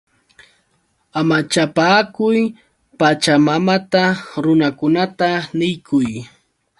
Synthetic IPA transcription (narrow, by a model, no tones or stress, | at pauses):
amat͡ʃapaːkʊj | pat͡ʃamamat̪aɾʊnakʊnat̪anɪjkʰʊj